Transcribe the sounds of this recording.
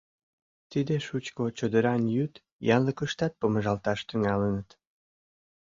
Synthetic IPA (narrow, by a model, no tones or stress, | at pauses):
t̪id̪eʃut͡ɕkot͡ɕod̪əɾɑnjyt̪ | jɑnləkəʃt̪ɑt̪̚poməʒɑlt̪ɑʃt̪yŋɑlənət̪